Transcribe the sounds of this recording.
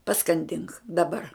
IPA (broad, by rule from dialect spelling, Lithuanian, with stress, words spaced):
pɐskɐnʲˈdʲɪŋk dɐˈbɐr